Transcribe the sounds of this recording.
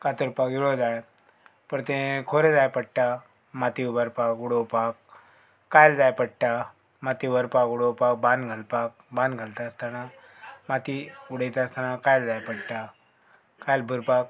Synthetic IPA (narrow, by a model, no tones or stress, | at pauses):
kat̪əɾpakiɽod͡zaj | pəɳt̪ẽkʰoɾed͡zajpəɽʈa | mat̪iubəɾpakuɽopakː | ajld͡zajpəɽʈa | mat̪ibəɾpakuɽopak̚bãnɡʱalpak̚ | bãnɡʱalt̪ast̪ana | mat̪iuɽəjt̪ast̪ʰanakajld͡zajpəɽʈa | kajlbʱəɾpak̚